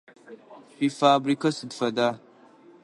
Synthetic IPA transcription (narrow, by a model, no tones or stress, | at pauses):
pifaːbɾikɐsɨdfɐdaː